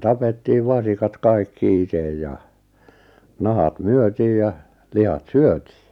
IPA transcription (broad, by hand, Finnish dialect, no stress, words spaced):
tɑpetːiːʋ ʋɑsikɑt kɑikːi itej jɑ nɑhɑt myøtiːj jɑ lihɑt syøti̥ː